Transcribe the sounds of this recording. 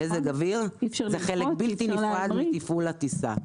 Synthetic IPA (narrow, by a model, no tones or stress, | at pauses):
ezeɡaviʁzeχelebilt̪inifʁad̪mitifulat̪isa̰